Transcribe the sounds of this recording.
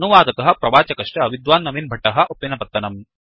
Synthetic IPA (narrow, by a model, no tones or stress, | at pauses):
nuʋaːd̪ɐt̪ɐɦɐ̆pɾɐʋaːt͡ʃɐkɐʂʈɐɐʋid̪ʋaːnːɐminbʱɐʈːɐɦɐ̆ʔɐpːinɐpɐt̪ːɐnɐm